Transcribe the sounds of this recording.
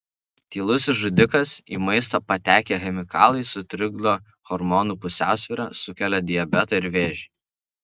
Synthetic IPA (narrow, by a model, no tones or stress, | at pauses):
t̪ʲiːlˠʊsʲɪsʒʊd̪ʲɪkɐsiːmɐɪs̬t̪ɐpɐt̪ʲæːkʲeːxʲɛmʲɪkɑːlˠɐɪsʊt̪ʲɾʲɪɡd̪oː | xɔɾmɔnuːpʊsʲæ̰ˑʊsʲʋʲiˑːɾɑ̰ːsʊkʲɛlʲɛd̪ʲɪjɛbʲɛt̪ɐɪɾʋʲeːʒʲɪ